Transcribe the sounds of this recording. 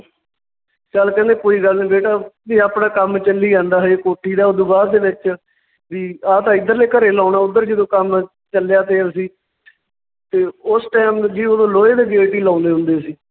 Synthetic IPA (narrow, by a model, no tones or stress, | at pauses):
t͡ʃəlkɛ̃ːnd̪eːkoːiːɡəlniːbeːʈaːʋiːaːpnaːkəmt͡ʃəlːiːd͡ʒãːnd̪aːɦeːkoːʈʰːiːd̪aːʊd̪ʊbaːd̪eːʋɪt͡ʃ | ʋiːaːt̪ãːɪd̪əɾleːkəɾeːlãːnaːʊd̪ːəɾd͡ʒɪd̪õːkəm | t͡ʃəlejaːt̪eːsiː | t̪eːʊsʈɛːmd͡ʒiːod̪õːloːeːd̪eːɡeːʈiːlãːnd̪eːɦʊ̃nd̪eːəsiː